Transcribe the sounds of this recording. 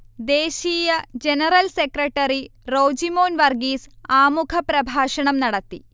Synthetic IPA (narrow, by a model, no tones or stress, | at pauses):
d̪eːɕiːjɐd͡ʑenɐrɐlsekrɐʈːɐɾiro̞ːd͡ʑimo̞ːnʋɐrɡiːsaːmukʰɐpɾɐbʱaːʂɐɳɐmnɐɽɐt̪ːi